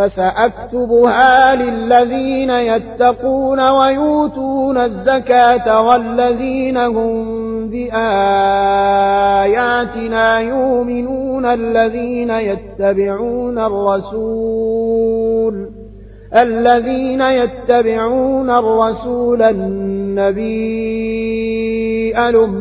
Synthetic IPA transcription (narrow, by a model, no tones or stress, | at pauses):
fasaʔak̚t̪ʊbʊhaːlɪlːaðiːnajat̪ːɑquːnawajuːt̪uːnazːakaːt̪awalːaðiːnaɦʊm | bɪʔaː | jaːt̪ɪnaːjʊʔmɪnuːnalːaðiːnajat̪ːabɪʕuːnarˤːɑsu | l | ʔalːaðiːnajat̪ːabɪʕuːnarˤːɑsuːlanːabiː | ʔalʊm